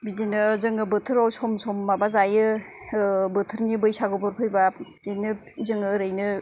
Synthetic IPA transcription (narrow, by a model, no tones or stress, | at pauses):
bidinɯzɯŋɯbɯtʰɯɾawsɔmsɔmːabazajɯ | bɯtʰɯɾnibɯjsaɡɯbɔɾpʰɯjba | dinɯ | zɯŋɯɾɯjnɯ